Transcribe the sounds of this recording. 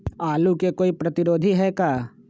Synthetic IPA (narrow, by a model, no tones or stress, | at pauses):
aːlukekoːipɾɐt̪ɪɾoːd̪ʱiɦɛkaː